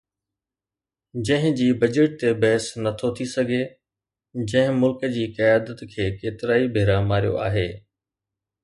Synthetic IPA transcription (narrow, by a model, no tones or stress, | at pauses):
d͡ʑɐ̃ɦɪ̃d͡ʑiːbɐd͡ʑəʈ̚t̪ebɛːsnɐt̪ʰot̪ʰisɐɡʱe | d͡ʑɐ̃ɦɪ̃mʊlkəd͡ʑiːkɐjaːd̪ət̪kʰeːkeːt̪ɪɾaːibʱeːɾamaːɾijo̰ʔa̰ːɦeː